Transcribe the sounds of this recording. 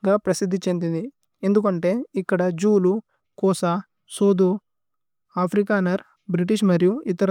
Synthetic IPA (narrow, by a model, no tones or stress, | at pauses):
ɡaːpɾɐsid̪ʱːit͡ʃend̪ind̪i | end̪ukɐɳʈe̞ːikːɐɽɐd͡ʒuːlu | kɔːsɐ | soːd̪u | aːpʰɾikaːnɐɾ | bɾiʈ̬iʂ̬mɐɾijuit̪ɐɾ